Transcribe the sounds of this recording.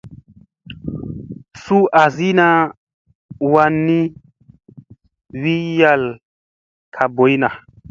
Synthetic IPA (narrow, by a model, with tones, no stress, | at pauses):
su˦ʔa˨zi˦na˦ | wa˧nːi˦ | wi˦ja˦l | kʰa˨bo˨˦jna˨